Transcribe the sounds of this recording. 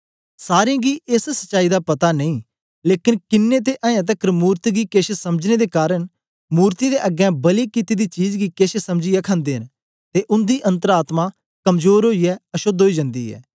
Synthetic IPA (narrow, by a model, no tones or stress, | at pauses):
saːɾeãːɡiːʔɪssət͡ʃaːiːd̪aːpɐt̪aːnəĩː | leːkɪnkɪnːeːt̪̬eːʔãːjãːt̪̬əkɾmuːɾt̪iɡiːkeʃʰesəməd͡ʒneːd̪eːkaːɾən | muːɾt̪id̪eːʔəɡɛ̃ːbəliːkit̪iːd̪iːt͡ʃiːd͡ʒɡiːkeːʃesəmd͡ʒijɛːkʰə̃nd̪eːɦən | t̪eːʔʊnd̪iːʔə̃nt̪əɾaːt̪maː | kəmzoːɾɦoːiːɛːəʃod̪ɦoːiːd͡ʒə̃nd̪ḭːɛ̰ː